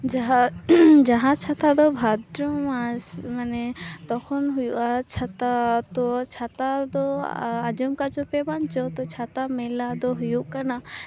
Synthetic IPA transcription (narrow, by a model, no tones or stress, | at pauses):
aɦad͡ʒaɦãt͡ʃʰat̪ad̪ɔbʱad̪ɾɔmasmanɛt̪ɔkʰɔnɦujuʔat͡ʃʰat̪at̪ɔt͡ʃʰat̪ad̪ɔad͡ʒɔmkat͡ʃɔpɛbaɲt͡ʃɔt̪ɔt͡ʃʰat̪amɛlad̪ɔɦujuʔkana